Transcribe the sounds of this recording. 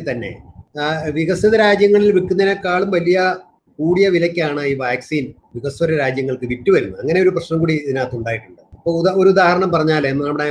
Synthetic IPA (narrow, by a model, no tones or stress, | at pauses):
t̪ɐnːe̞̰ | ʋiɣɐswɐðɐɾaːd͡ʑjɐŋːɐɭilʋikːunːɐnekːaːɭumʋɐlijɐ | kuːɽijɐʋilɐkʲːaːɳɨiːʋaːksiːn | ʋiɣɐswɐɾɐɾaːd͡ʑjɐŋːɐɭkɨʋitːuʋɐɾunːuɐŋːɐne̞o̞ɾuprɐɕnɐmkuːɽiɐðinaːt̪ːuɳɖaːjiʈːuɳɖɨɐpːoːoɾuud̪aːhɐɾɐɳɐmpɐrɐɲːaːlenːɨnɐmːɐɽe